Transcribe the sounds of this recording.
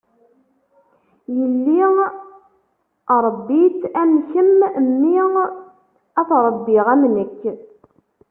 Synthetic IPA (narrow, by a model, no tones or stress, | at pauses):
jəlːi | ɾˤəbːitːæmçəmmːi | æθɾˤbːiʁæmnəkː